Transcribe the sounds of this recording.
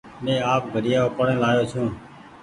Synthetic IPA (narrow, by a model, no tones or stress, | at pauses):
nẽːaːp̚ɡʱəɽɪjaːoːpəɽẽːlaːjoːt͡ʃʰũː